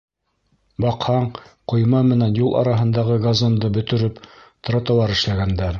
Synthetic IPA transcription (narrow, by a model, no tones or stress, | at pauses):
bɑqhɑɴqŏjmɑmɘ̆nænjulˠʔɑ̰ɾɑɦɤ̆nd̪ɑʁɤɡazond̪ɤbɵ̆t̪ɵ̆ɾɵpt̪̆ɾɑt̪ɑ̆lˠɑɾɘ̆ʃlæɡænd̪æɾ